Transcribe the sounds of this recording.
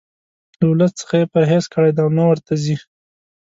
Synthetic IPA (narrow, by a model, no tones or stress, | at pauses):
lawlat̪t͡sə̥xajepəɾɦeskəɽajd̪aawnawəɾt̪azi